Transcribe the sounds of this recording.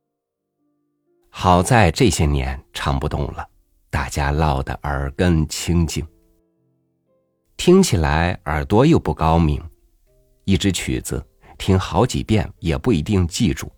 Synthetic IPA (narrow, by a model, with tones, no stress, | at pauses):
xɑ˨˩ʊt͡sa˥˧ɪʈ͡ʂɤ˥˩ɕjɛ˥njɛ̰˧˥nʈ͡ʂʰɑ˧˥ŋpu˧t̪ʊ̰˥˩ŋlə˩ | t̪a˥˩t͡ɕja˥lɑ˥˩ʊd̪ə̰˨˩ʔə˞˧˥kə˥ŋt͡ɕʰi˥ŋt͡ɕi˥˩ŋ | t̪ʰi˥ŋt͡ɕʰi˨˩la˧˥ɪə˞˨˩t̪wɔ˥jo˥˧ʊpu˥˩kɑ˥ʊmi˧˥ŋ | i˥˩ʈ͡ʂɻ̩˥t͡ɕʰy̰˨˩t͡sɹ̩̰˧˦ | t̪ʰi˥ŋxɑ˧˥ʊt͡ɕḭ˨˩pjɛ̰˥˩njɛ˨˩pu˥˩i˧˥t̪i˥˧ŋt͡ɕi˥˧ʈ͡ʂṵ˥˩